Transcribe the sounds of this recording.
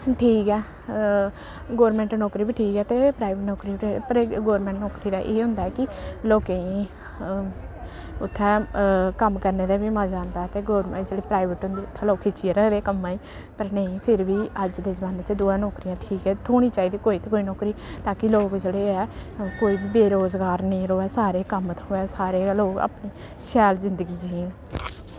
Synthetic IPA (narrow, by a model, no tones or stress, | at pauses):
ʈʰiːkɛː | ɡoːɾmɛ̃ːɳʈnɔːkɾiːbiːʈʰiːkɛːt̪eːpɾaːɪʋeʈnɔːkɾiːpɾɡoːɾmɛ̃ːɳʈnɔːkɾiːd̪aːʔeːɦʊ̃nd̪aːɛːkɪloːkeĩː | ʊt̪ʰːɛ̃ːkəmkəɾneːd̪aːbiːmãːd͡ʒaːnd̪aːɛt̪eːɡoːɾmd͡ʒeːɽeːpɾaːɪʋəʈɦʊ̃nd̪iːʊt̪ʰːɛ̃ːloːkʰɪt͡ʃieːɾɛd̪eːkəmãːiː | pəɾnəĩpʰɪɾbiːəd͡ʒd̪eːzəbaːneːt͡ʃd̪uːɛːnɔːkɾijãːʈʰiːkɛːt̪ʰoːɽ̃iːt͡ʃaːiːd̪iːkoːiːt̪ekoːiːnɔːkɾiːt̪aːkɪloːkd͡ʒeːɽeːɛːkoːiːbiːbeːɾoːzɡaːɾnĩːɾoːɛːsaːɾeːkəmt̪oːɛːsaːɾeːloːɡa̰ːpniː | ʃʰɛːlzɪnd̪əɡiːd͡ʒiːn